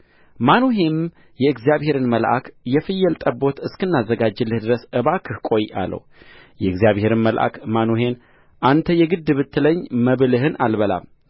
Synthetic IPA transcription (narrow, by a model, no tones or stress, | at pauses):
manoɦe̞m | jɛɨɡzjaβhe̞ɾɨnməlʔa̰kjɛfɨjːɛlt̪ʼəbːo̞t̪ɨskɨnːazːəɡad͡ʒːɨlːɨhd̪ɨɾəsɨβakʰɨhkʼo̞ja̰lːə̰w | jɛɨɡzijaβhe̞ɾɨnməlʔa̰kmanoɦe̞n | ʔant̪ʰəjɛɡɨd̪ːɨβɨt̪ʰːɨləɲːməβlɨɦɨnʔalbəla̰m